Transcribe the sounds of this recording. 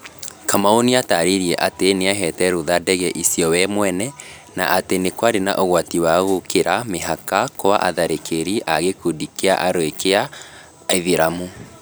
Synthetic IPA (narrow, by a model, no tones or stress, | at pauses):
kamaoniataɾiɾjɛʔateneaɦɛtɛɾuðadɛɣɛʔisiɔwɛmwɛnɛ | na̰ʔatenekwaɾena̰ʔoɣwatiwaɣokeɾameɦakakoa̰ʔaðaɾekʰeɾiʔaɣekudikea̰ʔaɾoekea | eðiɾamu